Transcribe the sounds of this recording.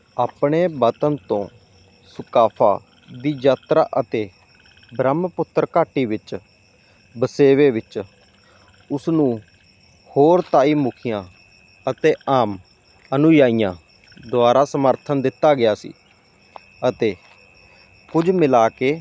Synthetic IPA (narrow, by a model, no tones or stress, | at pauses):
aːpɳeːbət̪ənt̪õː | sʊkaːpʰa̰ː | d̪iːd͡ʒaːt̪ɾa̰ːʔət̪eː | bɾəmpʊt̪ːəɾkaːʈiːʋɪt͡ʃ | bəseːʋeːʋɪt͡ʃ | ʊsnũː | hoːɾt̪aːiːmʊkʰɪjãː | ət̪eːaːm | ənʊjaːiːjãː | d̪oaːɾaːsəməɾt̪ʰənd̪ɪt̪ːaːɡɪjaːsḭː | ət̪eː | kʊd͡ʒmɪlaːkeː